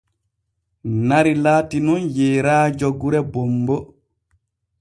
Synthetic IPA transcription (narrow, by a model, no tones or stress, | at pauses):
naɾilaːtinɔnjɛːɾaːd͡ʒɔɡuɾɛbɔmbɔ